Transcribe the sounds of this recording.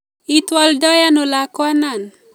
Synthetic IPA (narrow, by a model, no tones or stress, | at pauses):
it̪waldɔjanolakwanan